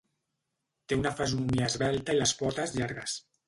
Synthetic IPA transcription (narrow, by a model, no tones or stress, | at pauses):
t̪eunafazunumiaːzβɛlˠt̪ailaspɔt̪əzʎaɾɣəs